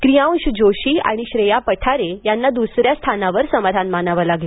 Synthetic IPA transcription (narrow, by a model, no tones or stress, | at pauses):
kɾijãw̃ɕd͡ʑoɕiːa̰ɽ̃iɕɾejapəʈʰaɾejanːad̪usɾjast̪ʰanaʋəɾsəmad̪ʱanmanaʋəlaɡle